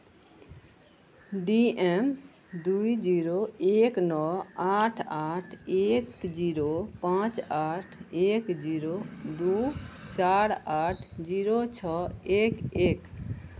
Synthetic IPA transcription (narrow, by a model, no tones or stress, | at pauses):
ɖiem | d̪uid͡ʒiɾoeknɔaʈʰaʈʰekd͡ʒiɾopãt͡ʃaʈʰekd͡ʒiɾod̪ut͡ʃaɾaʈʰd͡ʒiɾot͡ʃʰɔekek